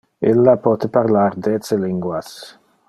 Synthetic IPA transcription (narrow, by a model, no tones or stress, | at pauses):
ilːapɔːt̪epaɾlaɾd̪et͡seliŋɡwas